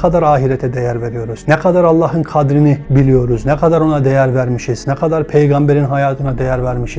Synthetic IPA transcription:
qʰɑd̪ɑɾɑːɦiɾɛt̪ʰɛd̪ɛjæɾveɾijo̞ɾuznɛkʰɑd̪ɑɾɑlˠːɑːɦɯnkʰɑd̪ɾinibilijo̞ɾuznɛqʰɑd̪ɑɾo̞nɑd̪ɛjæɾvæɾmiʃiz̥nɛqʰɑd̪ɑɾpʰejɡɑmbeɾinɦɑjɑːt̪ʰɯnɑd̪ɛjæɾvæɾmiʃi̥

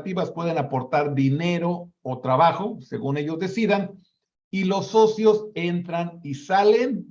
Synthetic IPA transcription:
t̪iβaspwe̞ð̞e̞napo̞ɾt̪aɾðine̞ɾo̞ːt̪ɾaβaxo̞se̞ɣune̞ʝo̞zðe̞siðan | ilo̞sːo̞sjo̞se̞nt̪ɾanisale̞n

